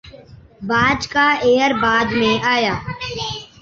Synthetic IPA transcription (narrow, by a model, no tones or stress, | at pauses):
baːd͡ʒkaːeːəɾbaːd̪mẽaːjaː